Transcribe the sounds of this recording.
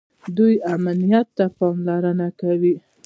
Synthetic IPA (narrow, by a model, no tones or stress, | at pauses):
d̪ujamnijat̪ːapɑmlaɾənakawi